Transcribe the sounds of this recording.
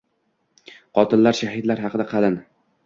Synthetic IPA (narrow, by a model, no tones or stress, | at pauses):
qʰɒt̪ʰɪllaɾʃahɪd̪laɾhɑqɨd̪aqʰɑlɪn